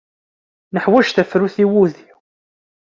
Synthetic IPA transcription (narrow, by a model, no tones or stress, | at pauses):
nəħwæʒθæfɾuθiwuði